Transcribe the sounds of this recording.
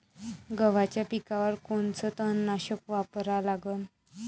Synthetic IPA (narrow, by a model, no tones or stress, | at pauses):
ɡəʋat͡ɕjapikaʋəɾkoɳt͡sət̪ənːaɕəkʋapɾalaɡən